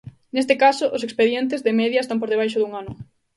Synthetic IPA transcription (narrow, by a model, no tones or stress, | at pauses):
nest̪ɪkasʊʔʊsekspeðjɛnt̪̬ɪzðɪmɛðjɐest̪ampoɾðeβ̞ajʃʊðuŋanʊ